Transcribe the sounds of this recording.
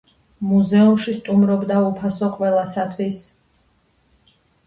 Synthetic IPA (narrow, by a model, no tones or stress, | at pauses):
muzɛumʃist̪ʼumɾɔbd̪aupʰasɔqʼwɛlˠasat̪ʰwis